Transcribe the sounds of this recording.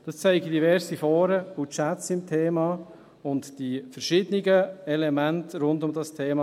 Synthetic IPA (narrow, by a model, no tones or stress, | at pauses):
d̥ɑst͡sɛɪɡidivɛɾsifɔːɾəut͡ʃætt͡sɪmtʰeːmɑ | ʊntd̥ifɛɾʃɪːdəniɡəɛlɛmæntɾʊndʊmdɑstʰeːmɑ